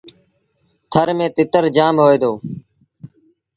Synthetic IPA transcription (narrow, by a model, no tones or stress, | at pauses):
t̪ʰəɾmẽːt̪ɪt̪əɾd͡ʒaːmɦoːeːd̪oː